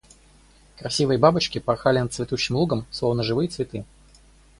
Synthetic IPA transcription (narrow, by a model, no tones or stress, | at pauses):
kɾɐsʲivɨjəbabɨt͡ɕkʲɪpɐxalʲɪnət̪svʲɪt̪uɕːɪmlˠuɡəmslˠo̞vnəʐɨvɨjət̪svʲɪt̪ɨ